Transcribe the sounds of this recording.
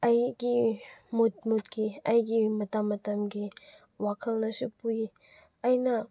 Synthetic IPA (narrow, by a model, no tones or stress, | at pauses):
ɐjɡimot̚mot̚ɡiɐjɡimɐtamɐtɐmɡi | wakʰɐlnɐsupuji | ɐjnɐ